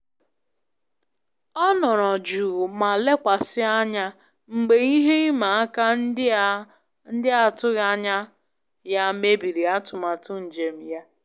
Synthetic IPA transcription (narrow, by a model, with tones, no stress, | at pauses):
ɔ˦nɔ˨ɾɔ˨d͡ʒuː˨ma˨le˦kʷa˨sɪ˦a˦ɲa˦ | ŋ͡m̩˨ɡ͡be˨i˦ɦe˦i˦ma˨a˦ka˦ | n̩˦dɪ˦a˨tʊ˦ɣa˦ɲa˦ | ja˦me˦bi˨ɾi˨a˦tʊ˨ma˨tʊ˦n̩˨d͡ʒe˨m̩˨ja˦